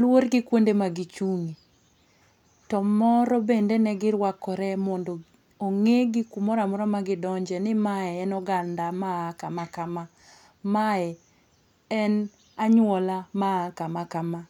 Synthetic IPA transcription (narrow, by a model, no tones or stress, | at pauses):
lwoɾɡɪkwondemaɡit͡ʃuŋi | tɔmɔɾɔbendenɛɡɪɾwakɔɾɛmɔndɔ | oŋeɡɪkumɔɾamɔɾɔmaɡɪdɔɲd͡ʒɛnɪmaɛːnɔɡandamaakamakama | maɛ | ɛn | aɲwɔlamakamakama